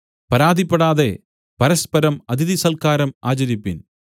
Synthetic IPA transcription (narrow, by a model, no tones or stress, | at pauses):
pɐɾaːd̪ʱipːeɽaːðe̞ | pɐɾɐspɐɾɐmɐd̪ʱiðisɐlkaːɾɐma̰ːt͡ɕɐɾipːin